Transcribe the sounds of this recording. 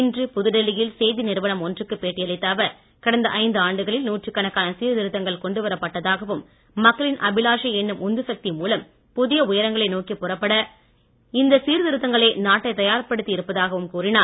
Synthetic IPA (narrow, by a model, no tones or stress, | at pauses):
ɪndrɯpʊðɯɽɐlɪjɪlseːðinɪɾɯʋɐnɐmɔndrɯkːɯpeːʈːɪjɐlɪt̪ːaːʋɐɾ | kɐɽɐnd̪ɐʔɐɪnd̪ɯaːɳɖɯɣɐɭɪlnuːʈrɯkːɐnɐkːaːnɐsiːɾðɪɾɯt̪ːɐŋɡɐɭkɔɳɖɯʋɐɾɐpːɐʈːɐðaːɣɐʋɯmː | ɐkːɐɭɪnʔɐbɪlaːʂɐɛnːɯmʔɔnd̪ɯsɐk̚t̪imuːlɐm | pʊðɪjɐʊjɐɾɐŋɡɐɭɐɪnoːkipːʊrɐpːɐɽɐ | ɪnd̪ɐsiːɾðɪɾɯt̪ːɐŋɡɐɭeːnaːʈːɐɪt̪ɐjaːɾpɐɽɯt̪ːiɪɾɯpːɐðaːɣɐʋɯmkuːrɪnaː